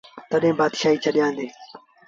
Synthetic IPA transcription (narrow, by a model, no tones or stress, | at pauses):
t̪əɗẽːbaːd̪ʃaːiːt͡ʃʰəɗɪjãːnd̪eː